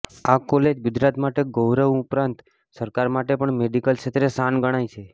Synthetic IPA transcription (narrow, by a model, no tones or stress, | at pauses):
akɔled͡ʒɡʊd͡ʒɾat̪maʈeɡowɾəʋũʊpɾãnt̪ | səɾkaɾmaʈepəɳmeɖikəlʃet̪ɾesanɡəɽ̃ajt͡ʃʰe